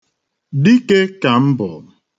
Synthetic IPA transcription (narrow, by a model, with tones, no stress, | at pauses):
di˦ke˦ka˨m̩˦bɔ˨